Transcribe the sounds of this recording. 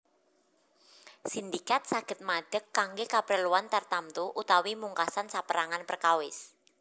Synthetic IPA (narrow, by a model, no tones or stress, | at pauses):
sind̪ikat̪̚saɡ̥ə̤t̪̚maɖ̥əkːaŋɡekabəɾəluant̪art̪amt̪uʔut̪awimuŋkasansapəɾaŋanpərkawɪs